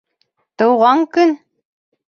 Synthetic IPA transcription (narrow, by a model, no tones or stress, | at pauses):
t̪ɤ̆wʁɑŋkɵn